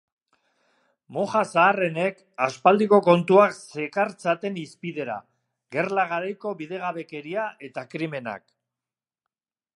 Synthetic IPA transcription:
mo̞ʝasaːre̞ne̞k | aspald̪iko̞ko̞nt̪uakse̞kaɾt͡sat̪e̞nispiðe̞ɾa̰ | ɡe̞rlaɣ̞aɾajko̞βiðe̞ɣ̞aβe̞ke̞ɾiaʔe̞t̪akɾime̞na̰k

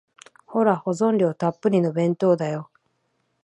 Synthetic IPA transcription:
ho̞ɾaho̞zõ̞nɾʲo̞ːt̪apːɯ̟ɾʲino̞bẽ̞nt̪o̞ːd̪ajo̞

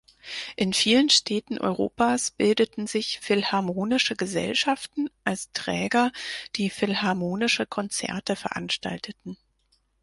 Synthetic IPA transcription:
ʔɪnfiːlənʃtʰɛːtn̩ʔɔ̰ʏʁo̰ːpaːsb̥ɪldətn̩zɪçfɪlhaɐmoːnɪʃəɡəzɛ̰lʃaftn̩ʔalstʁ̥ɛːɡɐd̥iːfɪlɦaɐmoːnɪʃəkʰɔnt͡sɛ̰ɐtəfɛɐʔa̰nʃta̰ltʰətn̩

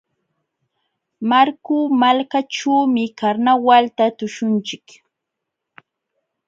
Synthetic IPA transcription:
maɾkumalkaʈ͡ʂuːmɪkaɾnawalt̪at̪ʊʃʊnt͡ʃɪk

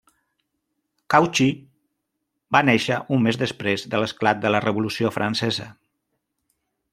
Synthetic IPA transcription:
kawt͡ʃi | baneʃəʔumːezðəspɾezðələsklat̪̚d̪ələrəβulusiofɾʔansɛzə̰

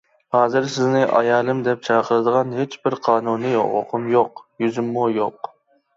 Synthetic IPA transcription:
hɑːzɨɾsɪznɪʔɑ̰jɑːlˠɨmd̪ɛp̚t͡ʃʰɑːqʰəɾɨd̪əʁɑnɦet͡ʃbɪɾqʰɑːnunɨo̰ʁo̰qʰʊmjoqjyzymːujoq

